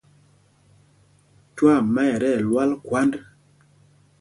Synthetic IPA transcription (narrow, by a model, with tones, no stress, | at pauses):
twa˦˨mːa˦ɛ˨ɾɛ˦˨lwa˦lkwa˦nd